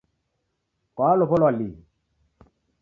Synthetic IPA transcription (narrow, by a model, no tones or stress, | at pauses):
kwaːlɔpɔlwali